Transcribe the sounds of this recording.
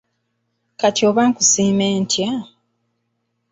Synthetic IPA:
katjoβaŋkusiːme̞ːntʰja

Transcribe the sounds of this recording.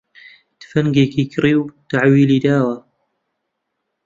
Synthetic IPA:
d̪̥fɐŋɡeːkikʰɨriːwt̪aʕwiːliːd̪aːwɐ

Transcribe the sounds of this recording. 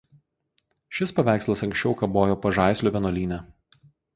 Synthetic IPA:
ʃʲɪspɐʋʲæˑɪkslˠɐsɐŋksʲt͡ʃʲɛʊkɐboːjoːpɐʒɑˑɪsʲlʲoːʋʲiɛnoːlʲiːnʲæ

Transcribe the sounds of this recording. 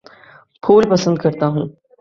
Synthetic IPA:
pʰuːlpɐsə̃nd̪̚kɐɾt̪aɦũː

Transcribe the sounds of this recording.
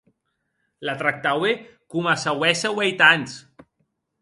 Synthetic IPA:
lat̪ɾak̚t̪awekumasawɛsawejt̪anʲs

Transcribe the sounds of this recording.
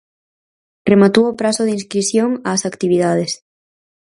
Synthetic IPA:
remat̪uopɾasoðinskɾisjoŋaːsakt̪iβ̞iðað̞es

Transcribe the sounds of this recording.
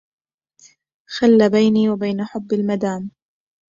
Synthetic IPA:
xalːabajniːwabajnaħʊbːalmad̪aːm

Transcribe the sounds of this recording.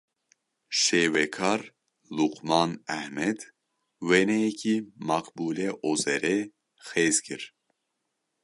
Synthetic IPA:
ʃeːwɛkʰɑɾ | luqmɑːnæhmɛd̪ | wenɛjɛkʰimɑqbuːleʔozɛɾe | xeːzkʰiɾ

